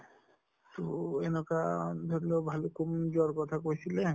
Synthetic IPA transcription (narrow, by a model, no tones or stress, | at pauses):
t̪oenɔkad̪ʱɔɾlobʱalokumd͡ʒɔɾkɔt̪ʰakosʰile